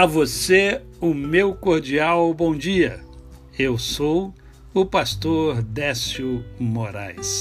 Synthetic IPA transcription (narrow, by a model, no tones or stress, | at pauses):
ɐvose | ʊmewkoɾd͡ʒiawbõw̃d͡ʒiɐ | ewsow | ʊpast̪oɾd̪ɛsiumoɾa̰js